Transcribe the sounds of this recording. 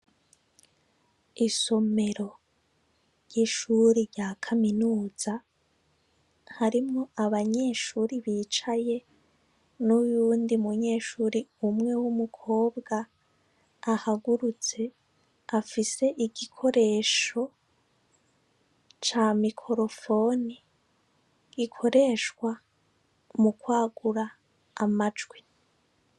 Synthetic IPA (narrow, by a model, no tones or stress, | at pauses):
iso̞me̞ɾo̞ | ɾɟ̥iʃuɾiɾɟakʰaminuːz̥a | haɾimŋoaβaɲe̞ːʃuːɾiβiːt͡ʃaje̞ | nujuːndiumuɲe̞ːʃuːɾiumŋe̞wumukʰo̞ːbɡaː | haɡuɾut͡se̞ | afise̞ʔiɡikʰo̞ɾe̞ːʃo̞ | t͡ʃamikʰo̞ɾo̞fo̞ni | ɡ̥ikʰo̞ɾe̞ːʃkwa | mukwaːɡuɾaː | mad͡ʒɡwi